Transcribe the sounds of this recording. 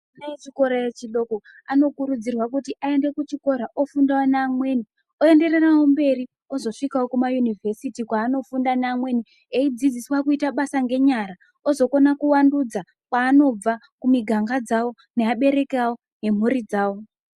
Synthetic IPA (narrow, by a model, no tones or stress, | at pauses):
naet͡ʃiko̞ɾajet͡ʃiɗo̞ko | ano̞kuɾud͡zirwakutiʔae̞nde̞kut͡ʃiko̞ɾaʔofundawonaːmwe̞ni | o̞e̞nde̞rerawombe̞ɾi | o̞zo̞ʂikawokumajunivʱe̞sitikwaːno̞fundanaːmwe̞ni | eid͡zid͡ziswakuitaɓasaŋɡe̞ɲaɾa | ozo̞ko̞nakuwandud͡za | kwaːno̞b͡va | kumiɡʱaŋɡad͡zawo̞ | ne̞aɓe̞ɾe̞kawo̞ | ne̞m̤uɾid͡zaːwo̞